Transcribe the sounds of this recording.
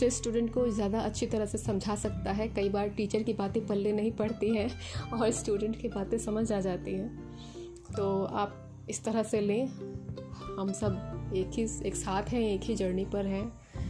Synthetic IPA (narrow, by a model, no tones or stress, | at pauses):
sesːʈuːɖə̃ɳʈkozjaːd̪aɐtːʃʰit̪ɐɾəɦsesɐ̃md͡ʒʱasɐk̚t̪aɦɛkɐibaːɾʈiːt͡ʃəɾkibaːt̪ẽpɐlːenɐɦĩpɐɽ̤t̪iɦɛ̃ɔːɾsʈuːɖə̃ɳʈkibaːt̪ẽsɐməd͡ʒʱaːd͡ʒaːt̪iɦɛ̃ː | t̪oːaːp̚ | ɪst̪ɐɾəɦselẽ | hɐmsɐbeːkɦieːksaːt̪ʰɦɛ̃eːkɦid͡ʒɐɾnipɐɾɦɛ̃ː